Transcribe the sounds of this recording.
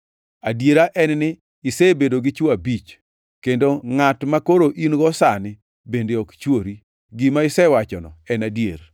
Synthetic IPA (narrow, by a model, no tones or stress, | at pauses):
adjeɾaʔɛnnɪ | ɪsɛbedoɡɪt͡ʃuabit͡ʃ | kendoŋatmakoɾoʔinɡɔsanɪ | bendeɔkt͡ʃwoɾi | ɡɪmaɪsɛwat͡ʃɔnɔ̰ɛnadjḛɾ